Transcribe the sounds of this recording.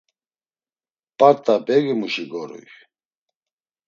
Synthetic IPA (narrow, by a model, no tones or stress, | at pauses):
pʼat̪ʼabɛɡimuʃiɡɔɾṵj